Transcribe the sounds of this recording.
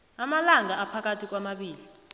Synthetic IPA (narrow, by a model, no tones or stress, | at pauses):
amalaŋaːpʰak̬atʰik̬wamaɓiːli